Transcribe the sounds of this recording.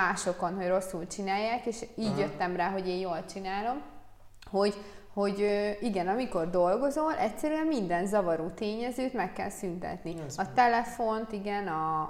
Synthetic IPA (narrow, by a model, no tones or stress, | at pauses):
aːʃo̞ko̞nɦo̞ɟro̞sːult͡ʃinaːjːaːkeːʃiːɟjøt̪ːɛmraːɦo̞ɟeːnjoːlt͡ʃinaːlo̞m | ho̞ɟ | ho̞ɟøːiɡɛnɒmiko̞rd̪o̞lɡo̞zolʔɛcsɛɾyɛmmind̪ɛnzɒvɒɾuːt̪eːɲɛzøːt̪mɛkːɛ̰lsynt̪ɛ̰t̪niɒt̪ɛlɛfo̞nt̪iɡɛnɒ